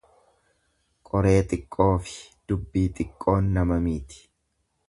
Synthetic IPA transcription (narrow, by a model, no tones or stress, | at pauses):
kʼɔɾe̞ːt̪ʼɪkʼːo̞ːfɪ̥d̪̥ʊbːiːt̪ʼɪkʼːo̞ːnːɐmɐmiːt̪ɪ̥